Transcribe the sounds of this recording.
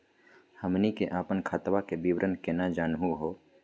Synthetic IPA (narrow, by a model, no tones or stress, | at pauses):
həmnikeʔaːpənkʰaːt̪ʋakebiwɾʔənkenad͡ʒaːnɦuɦoː